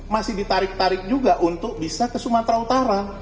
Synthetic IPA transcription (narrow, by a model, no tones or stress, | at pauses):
masɪhdit̪aɾɪk̚t̪aɾɪk̚d͡ʒuɡaʔunt̪ʊk̚bisakəsumat̪ɾaut̪aɾa